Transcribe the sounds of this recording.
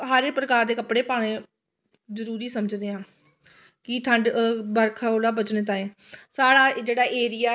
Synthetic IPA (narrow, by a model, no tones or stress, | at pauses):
ɦaːɾeːpɾəkaːɾd̪eːkəpɽeːpaːɽ̃ẽː | zəɾuːɾiːsəməd͡ʒd̪eːãː | kɪt̪ʰə̃ɳɖbəɾkʰoːlaːbət͡ʃnẽːt̪̬ãːeː | saːɽaːd͡ʒeːɽaːʔeːɾɪjaː